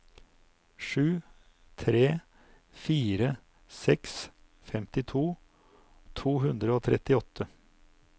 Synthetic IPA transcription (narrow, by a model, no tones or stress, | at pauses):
ʂʉː | t̪ʰɾeː | fiːɾə | sɛks | fɛmt̪ɪt̪ʰuː | t̪ʰuːɦʉnd̪ɾəoːt̪ʰɾʔɛ̰t̪ɪɔt̪ʰə